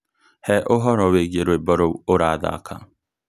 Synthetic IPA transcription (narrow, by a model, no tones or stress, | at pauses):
hɛʔoɦɔɾɔweɡeɾoebɔɾooɾaada̰a̰kʰa̰